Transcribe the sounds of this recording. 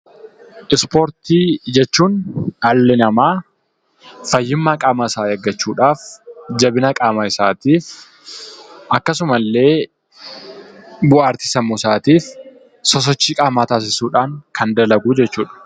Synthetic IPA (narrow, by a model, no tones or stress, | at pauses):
ʔɪspoːɾt̪iːd͡ʒɛt͡ʃːuːnɐlːɛnɐmaː | fɐjːɪmːaːkʼaːmɐsaːjɐɡːɐt͡ʃːuːᶑaːfd͡ʒɐbɪnɐkʼaːmaɪsaːt̪iːf | ʔɐkːɐsʊmɐlːe̞ː | bʊaːɾt̪ɪ̥sɐmːuːsaːt̪iːf | sɔs̬ɔt͡ʃːiːkʼaːmaːt̪aːs̬ɪsuːᶑaːŋkʰɐnd̪ɐlɐɡuːd͡ʒɛt͡ʃːuːᶑɐ̥